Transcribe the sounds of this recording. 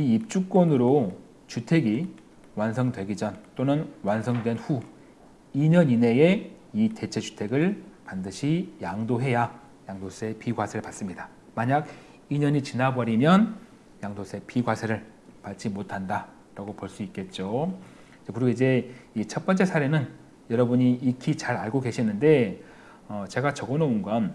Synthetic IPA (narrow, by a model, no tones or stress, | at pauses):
iip̚t͡ɕ͈uk͈̚wʌnɯɾo | t͡ɕutʰe̞ɡi | wansʰʌŋdwe̞ɡid͡ʑʌnt͈onɯnwansʰʌŋdwe̞nɸu | iɲʌɲine̞eite̞t͡ɕʰe̞t͡ɕu̥tʰe̞ɡɯɭpandɯɕʰijaŋdoɦe̞ja | jaŋdos͈ʰe̞piɡwasʰeɾɯɭpats͈ɯmɲida | maɲaɡ | iɲʌɲit͡ɕinabʌɾimjʌn | jaŋdosʰe̞piɡwasʰeɾɯɭ | pat͡ɕ͈imotʰanda | ɾaɡopoɭs͈uik͈e̞t̚t͡ɕ͈o | t͡ɕʌkɯɾiɡoid͡ʑe̞it͡ɕʰʌt̚p͈ʌnt͡ɕ͈e̞sʰaɾe̞nɯn | jʌɾʌbuɲiikʰit͡ɕaɾaɭɡoɡe̞ɕʰinːɯnde̞ | ʌt͡ɕe̞ɡat͡ɕʌɡonounɡʌn